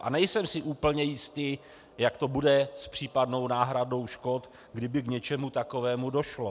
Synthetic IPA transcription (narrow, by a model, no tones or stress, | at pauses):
ʔa̰nɛjsɛmsɪʔuːpl̩ɲɛjɪst̪i | jakt̪o̞budɛspr̝̥iːpadno̞wnaːɦɾado̞wʃko̞t̪ | ɡdɪbɪɡɲɛt͡ʃɛmut̪akovɛːmudo̞ʃlo